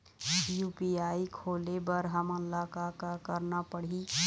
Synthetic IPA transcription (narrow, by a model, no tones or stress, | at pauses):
juːpiaːikʰoːlebəɾɦəmənlaːkakakəɾnapəɽ̤i